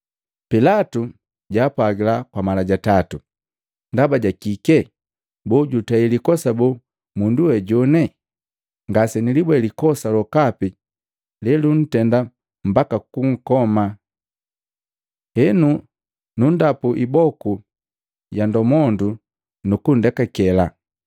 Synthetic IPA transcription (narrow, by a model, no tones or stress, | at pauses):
pilatu | ɟaːpwaɡilakwamalaɟatatu | ndabaɟakikɛ | bɔɟutailikɔsabɔ | munduwɛɟɔnɛ | ŋɡasɛnilibwɛlikɔsalɔkapi | lɛlun̩tɛnda | m̩bakakuŋ̩kɔma | hɛnu | nundapuʔibɔku | jandɔmɔndu | nukun̩dɛkakɛla